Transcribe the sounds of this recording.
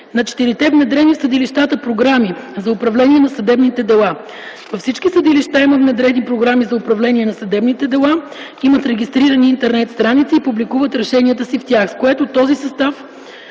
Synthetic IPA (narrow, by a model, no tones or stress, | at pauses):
nɐt͡ʃɛ̥t̪iɾit̪ɛvnɛd̪ɾɛnifsəd̪iliʃt̪at̪əpɾoɡɾamizɐʊpɾɐvlɛnʲiɛnɐsɐd̪ɛbnit̪ɛd̪ɛlˠa | vɐfsit͡ʃkisəd̪iliʃt̪aiməvnɛd̪ɾɛd̪ipɾoɡɾamizɐʊpɾɐvlɛniɛnɐsɐd̪ɛbnit̪ɛd̪ɛlˠa | imət̪ɾɛɡʲist̪ɾiɾəniːnt̪ɛɾnɛt̪st̪ɾanit̪siːpublikuvət̪ɾɛʃɛnʲiət̪əsift̪ʲjaxskoɛt̪ot̪ɔzisɐst̪af